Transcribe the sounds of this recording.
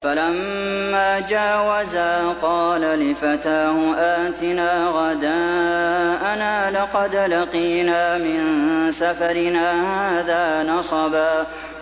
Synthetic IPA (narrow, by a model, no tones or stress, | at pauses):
falamːaːd͡ʒaːwazaːqɑːlalɪfat̪aːhʊʔaːt̪ɪnaːɣad̪aː | ʔanaːlɑqɑd̪laqiːnaːmɪnnsafaɾɪnaːhaːðaːnɑsˤɑbaː